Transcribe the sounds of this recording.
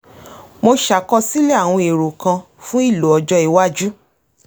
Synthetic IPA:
mo˧ʃa˨kɔ˧si˦le˦a˦˨w̃ɔ̃˧e˨ɾo˨kã˧ | fũ˦i˦˨lo˨ɔ˨d͡ʒɔ˧i˨wa˦d͡ʒu˦

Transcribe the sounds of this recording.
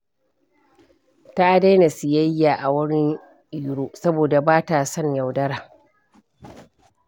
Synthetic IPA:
ta˦ʔa˨da˦jna˨si˨jɐ˦jːa˨ʔa˨wɐ˦ɽi˦ | ʔɪ˨˦ɽuː˦sɐ˦boː˨da˨baː˦ta˨sɔ˦˨ɲja˨wdɐ˦ɾaː˨

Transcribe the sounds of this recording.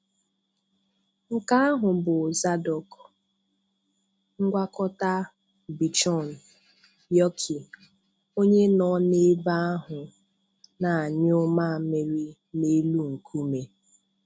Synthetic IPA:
ŋ̩˦ka˦a˦ɦʊ˨bʊ˨za˦dɔ˨k | ŋ̩˦ɡʷa˦kɔ˦ta˦ | bi˨t͡ʃɔ˦˨n̩˨ | jɔ˦kʰi˨ | o˦ɲe˦nɔ˦˨ne˦ba˦a˦ɦʊ˨ | na˨a˨ɲ˦ʊ˦ma˦˨me˨ɾi˦ | ne˦lu˦ŋ̩˨kʰu˦me˨

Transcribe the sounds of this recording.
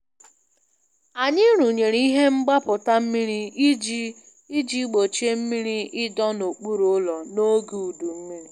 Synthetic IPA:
a˨ɲɪ˦ɾu˨ɲe˨ɾi˦i˦ɦe˦m̩˦ɡ͡ba˦pʊ˨ta˦m̩˦mi˦ɾi˦i˦d͡ʒi˦ | i˦d͡ʒi˦ɡ͡bo˨t͡ʃe˦m̩˦mi˦ɾi˦ɪ˦dɔ˦no˨k͡pu˦ɾu˨ʊ˦lɔ˨no˦ɡu˨u˨du˨m̩˦mi˦ɾi˦

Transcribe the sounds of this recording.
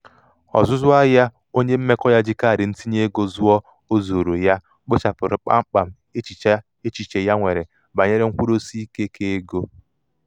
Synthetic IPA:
ɔ̰˨zʊ˦zʊ˦a˦ja˦ | o˦ɲe˦m̩˦me˦kɔ˦ja˦d͡ʒɪ˦ka˦a˨ɾɪ˨n̩˦ti˦ɲe˦ɡo˦zʊ˦ɔ˦ | o˦zo˨ɾo˨ja˦ | k͡po˦t͡ʃa˨pʊ˨ɾɪ˨k͡pa̰˦ŋ͡m̩˦k͡pa˨m̩˦ | e˦t͡ʃi˨t͡ʃa˦ | e˦t͡ʃi˨t͡ʃe˨ja˦ŋʷe˨ɾe˨ | ba˨ɲe˦ɾe˦ŋ̩˦kʷu˦ɾo˦si˦i˦ke˦kʰe˦e˦ɡo˦

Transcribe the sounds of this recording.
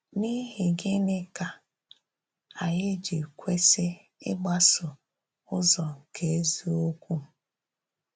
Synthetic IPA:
ni˦ɦe˨ɡe˦ne˦ka˨ | a˨ɲɪ˦d͡ʒi˨kʷe˦se˦ | ɪ̰˦ɡ͡ba˦sʊ˨ | ʊ˦zɔ˨ke˨e˦zi˦o˦kʷu˦˨

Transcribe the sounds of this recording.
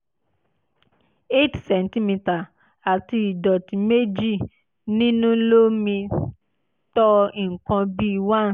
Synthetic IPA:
e˦˨tsɛ˨nti˦mi˧ta˨ | a˨ti˧i˨dɔ˨tĩ˨me˦d͡ʒi˦˨ | nĩ˦nũ˦lo˦mĩ˧ | tɔ˦i˨ŋ̩˨kã˧bi˦wã˦˨

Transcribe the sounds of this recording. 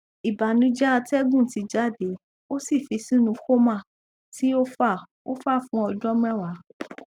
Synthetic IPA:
i˨ba˨nĩ˨˦d͡ʒɛ˦a˧tɛ˦ɡũ˦˨ti˧d͡ʒa˦˨de˨˦ | o˦si˦˨fi˧sĩ˦nũ˧xo˦mã˦˨ | ti˦o˦fa˦˨ | o̰˦fa˦˨fũ˨˦ɔ˧d͡ʒɔ˦m˦ɛ̃˦˨wa˨˦

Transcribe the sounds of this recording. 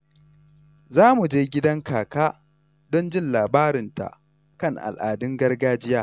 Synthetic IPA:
zaː˦mu˨d͡ʒeː˦ɡʲɪ˦dɐ˦ŋkaː˨kaː˦ | dɔ˦nd͡ʒɪ˦˨nlaː˨baː˦ɾɪ˨nta̰˨ʔ | kɐ˦˨ŋʔa̰˨lʔa̰ː˨dʊ˦ŋɡɐ˦rɡaː˦d͡ʒɪ˦jaː˦

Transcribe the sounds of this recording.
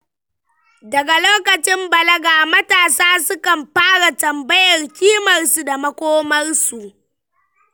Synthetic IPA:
dɐ˨ɡa˨loː˦kɐ˨t͡ʃɪ˦mbɐ˨lɐ˦ɡaː˨mɐ˦taː˨saː˦sʊ˦kɐ˨mɸaː˦ɽa˨tɐ˨mbɐ˦jɐ˨rkʲiː˦mɐ˨rsu˨da˨mɐ˦kʷoː˦mɐ˦rsu˨ʔ

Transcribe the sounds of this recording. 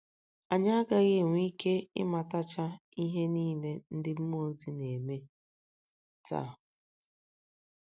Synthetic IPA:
a˨ɲa˦a˦ɡa˦ɣɪ˦˨ŋʷ˨˦i˦ke˦ɪ̰˦ma˨ta˦t͡ʃa˦i˦ɦe˦niː˦le˦n̩˦dɪ˦m̩˦mo˨˦zi˦ne˨me˦ | ta̰˦˨

